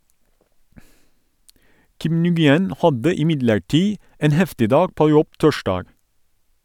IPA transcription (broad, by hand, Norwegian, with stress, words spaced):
ˈkɪm nʉɡɪˈɛn ˈhɑdə ɪˈmɪdləɹˌʈiː ˈeːn ˈhɛftɪ ˈdɑːɡ ˈpoː ˈjɔb ˈtɔˌʃɖɑːɡ